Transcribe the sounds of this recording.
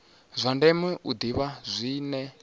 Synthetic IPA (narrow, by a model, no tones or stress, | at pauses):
zʷandɛmɛʔud̪iβazʷiːnɛ